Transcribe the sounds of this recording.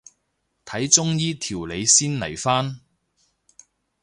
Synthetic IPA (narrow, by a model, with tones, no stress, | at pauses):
t̪ʰɐ˨˥jt͡sʊ˥ŋjiː˥t̪ʰiː˨˩wle˨˧jsiː˥nlɐ˨˩jfaː˥n